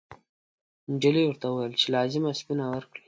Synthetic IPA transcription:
nd͡ʒiliwəɾt̪auwajəlt͡ʃelɑzɪmaspinawəɾkɽi

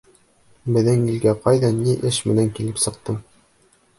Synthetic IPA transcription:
bɘ̆ðɘŋilɡæqɑjðɑniʔɘʃmɘ̆næŋkilɘpsɤ̆q̚t̪ɤm

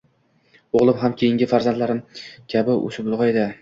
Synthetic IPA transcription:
oʁlˠɪpɦamkʲʰejɪŋʲɪfaɾzant̪laɾɪmkʲʰabɪʔɵ̰sɪbʊlˠʁɒed̪ɪ

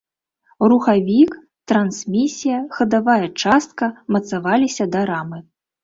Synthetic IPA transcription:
ruxavʲik | t̪ɾansʲmʲisʲijɐxɐd̪avajɐt͡ʂast̪̚kɐmɐt̪savalʲisʲɐd̪ɐɾamɨ

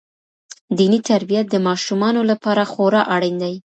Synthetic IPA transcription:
d̪init̪aɾbijat̪̚d̪əmɑʃumɑnolapɑɾaxoɾɑʔaɽind̪ai

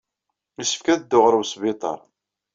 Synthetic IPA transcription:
isə̥fkæðd̪ːʊʁɾəwsbit̪ˤɑ̰ɾˤ

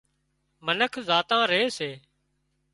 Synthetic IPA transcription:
mənəkʰzaːt̪ãːɾəeːseː

